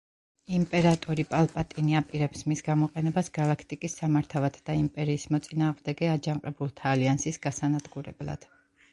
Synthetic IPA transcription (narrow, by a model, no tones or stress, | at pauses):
impʼɛɾat̪ʼɔɾipʼalˠpʼat̪ʼiniapʼiɾɛpsmisɡamɔqʼɛnɛbasɡalˠakʰt̪ʼikʼisːamaɾt̪ʰavat̪ʰd̪̥aimpʼɛɾiːsmɔt̪sʼinaːʁmd̪ɛɡɛad͡ʒamqʼɛbulˠt̪ʰaːliansisɡ̥asanad̪ɡuɾɛ̰blˠa̰d̪̥